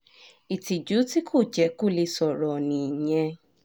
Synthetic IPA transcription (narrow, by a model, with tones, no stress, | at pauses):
i˨ti˨d͡ʒu˨˦ti˦kʰo˦˨d͡ʒɛ˨˦ko˦˨le˧sɔ˨ɾɔ˨nĩ˨j̃ɛ̃˧